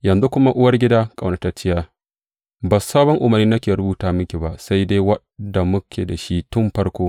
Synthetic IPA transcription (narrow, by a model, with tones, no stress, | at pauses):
jɐ˨nzu˦kʷʊ˦ma˦ʔʊ˦wɐ˦rɡʲɪ˦daː˦kʼa˨wna˨ta˦t͡ʃɪ˦jaː˦ | ba˨sːaː˦bɔ˦ŋʔʊ˨mɐ˨rniː˦nɐ˦kʲeː˨ɾʊ˦buː˨taː˨mʊ˦kʲe˨ba˨ʔsa˦jde˦jwɐ˦ | da˨mʊ˦kʲʰeː˨da˨ʃi˦tʊ˦mɸɐ˦ɽkʷoː˦